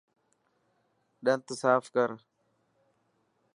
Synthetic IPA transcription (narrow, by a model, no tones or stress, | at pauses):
ɗɐnt̪əsaːfkɐɾ